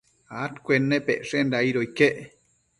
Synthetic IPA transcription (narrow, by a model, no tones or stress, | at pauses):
at̪kʷenːepeʔʂend̪aiɾoikeʔ